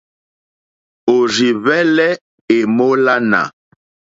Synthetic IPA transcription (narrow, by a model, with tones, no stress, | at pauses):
o˨ri˨βɛ˦lɛ˦ | e˨mo˦la˦na̰˨